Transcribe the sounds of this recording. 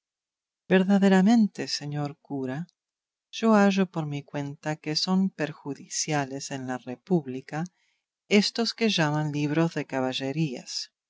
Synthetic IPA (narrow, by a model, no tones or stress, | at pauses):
beɾðaðeɾamẽ̞nt̪eseɲoɾkuɾa | ʒ̥o̞aʒopoɾmikwe̞nt̪akeso̞mpeɾxuðisjalesenlarepuβlika | est̪oskeʒamanliβ̞ɾozðekaβaʒeɾia̰s